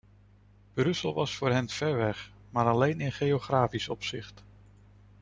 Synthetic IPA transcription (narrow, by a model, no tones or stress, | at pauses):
b̥rɵsəlˠʋɑsfʊːɹɦɛnv̥ɛɹʋɛχ | maːɾɑlejnɪnχejoχraːfisɔpsɪχt